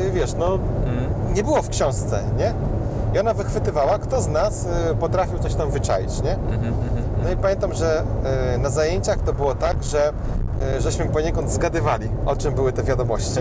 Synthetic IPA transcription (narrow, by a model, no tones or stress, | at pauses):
vʲjɛʂnɔ | ɲɛbɘwɔfkɕɔ̃w̃st̪sɛɲɛ | iɔnavɘxfɘt̪ɘvawakt̪ɔznaspɔt̪ɾafʲiwt̪sɔɕt̪ãmzvɘt͡ʂajḭt͡ɕɲɛ | nɔipamʲẽnt̪amʐɛ | nazajeɲt͡ɕaxt̪ɔbɘwɔt̪aɡʐɛ | ʐɛɕmɘpɔɲɛkɔnd̪zɡad̪ɘvalʲiɔt͡ʂɘmbɘwɘt̪ɛvʲjad̪ɔmɔɕt͡ɕi